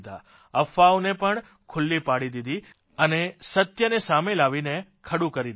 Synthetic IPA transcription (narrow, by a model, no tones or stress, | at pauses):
d̪a̰ | əfaonepəɳ | kʰʊlːipaɽid̪id̪ʱi | ənesət̪jənesamelaʋinekʰəɽũkəɾid̪